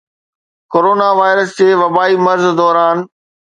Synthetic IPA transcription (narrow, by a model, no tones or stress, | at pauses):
koːɾoːnaʋaːɪɾəsd͡ʑeːʋɐbaːimɐɾzd̪ɔːɾaːn